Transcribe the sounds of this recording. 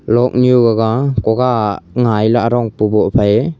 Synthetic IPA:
lɔk̚niuɡaɡakɔɡaŋajlaaɾɔŋpubɔpʰaje

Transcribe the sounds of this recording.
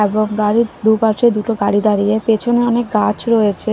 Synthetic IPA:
eboŋɡaɽid̪upaɾʃed̪uʈoɡaɽid̪aɾiepet͡ɕʰoneɔnek̚ɡat͡ɕɾɔet͡ɕʰe

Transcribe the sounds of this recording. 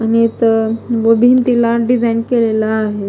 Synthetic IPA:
anit̪əbobʱint̪ilaɖid͡zainkelelaːɦe

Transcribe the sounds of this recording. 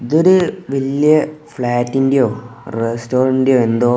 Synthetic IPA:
iðoɾuʋiljɐfɭaːtːindejoːrestoːrɾɐindejoːend̪oː

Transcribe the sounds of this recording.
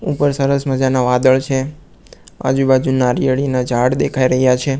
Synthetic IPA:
upəɾsəɾəsməd͡ʒanaʋad̪əɭt͡ʃʰe | a̰d͡ʒubad͡ʒunaɾijəɽinad͡ʒʱaɽd̪ekʰaiɾəɦjat͡ʃʰe

